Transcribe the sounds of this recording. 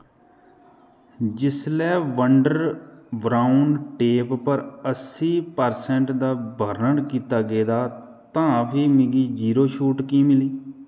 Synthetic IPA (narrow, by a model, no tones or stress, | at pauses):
d͡ʒɪslɛːʋəɳɖəɾbɾaːʊɳɖʈeːppəɾəsiːpəɾsɛ̃ɳʈd̪aːbəɾnəɽkiːt̪aːɡeːd̪aː | t̪ãːpʰiːmɪɡiːd͡ʒiːɾoːʃuːʈkiːmɪliː